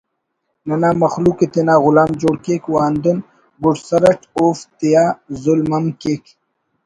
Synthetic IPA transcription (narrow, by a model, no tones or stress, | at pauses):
nɐnaːmɐxluːket̪enaːɣʊlaːmd͡ʑoːɽkeːkwaːnd̪un | ɡʊʈsɐɾɐʈʰoːft̪ijaːzulmɐmkeːk